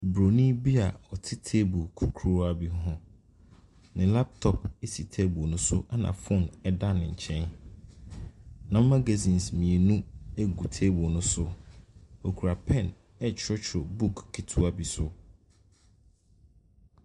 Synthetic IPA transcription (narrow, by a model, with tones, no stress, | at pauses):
bɾo˨nĩ˦bi˦a˨ɔ˨tʰɪ˦tʰe˦bʊ˨kʰu˨kʰo˦a˨bi˦ɦʊ̃˦ | nɪ̃˨la˦p̚tʰɔ˨p̚e˦si˨tʰe˦bʊ˨nʊ̃˦sʊ˦ʔa˦nã̰˨fɔ̃˦˨nɛ˦da˦nɪ̃˨ɲ̩˨t͡ɕʰɛ̃˦n | nã˨m̩˦ma˦ɡa˨zĩ˨nsmĩ˨e˨nũ˦e˦ɡu˨tʰe˦bo˨nʊ̃˦sʊ˦ | o˨kʰu˨ɾa˨pʰɛ̃˦˨n | ɛ˦t͡ɕʰɾɔ˦t͡ɕʰɾo˨bu˦kːʰɪ˨tʰu˦a˨bi˦sʊ˦